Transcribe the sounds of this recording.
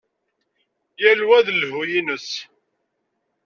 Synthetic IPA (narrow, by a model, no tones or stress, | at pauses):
jælwæðlhujinəs